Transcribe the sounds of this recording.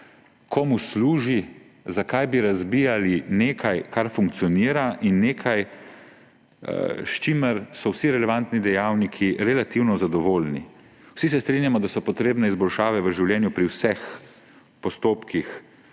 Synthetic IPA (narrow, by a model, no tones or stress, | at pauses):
kʰɔmusluːʒi | zakajbiɾazbijalineːkʰajkaɾfuŋkt̪sijɔniːɾaʔinːeːkʰaj | ʃt͡ʃiməɾsɔwsiɾɛlɛʋant̪nid̪ɛjaːwnikʰiɾɛlat̪iwnɔzad̪ɔʋolnḭ | wsis̬ɛst̪ɾinjamɔd̪asɔpɔt̪ɾeːbnɛizbɔlʃaːʋɛʋəʒiwljɛːnjupɾiwsɛx | pɔst̪oːpkix